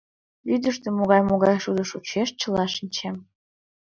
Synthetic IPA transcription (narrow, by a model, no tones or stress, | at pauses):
yd̪ə̆ʃt̪ĕmoɣɑjmoɣɑjʃud̪ə̆ʃut͡ɕeʃt͡ɕə̆lɑʃənʲt͡ɕʰem